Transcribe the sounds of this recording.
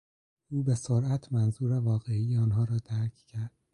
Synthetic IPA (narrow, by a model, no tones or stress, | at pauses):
ʔuːbe̞soɾæt̪ʰmænzuːɾevɒːɣeijeɒːnɦɒːɾɒːd̪æɾcʰcʰæɾd̪̥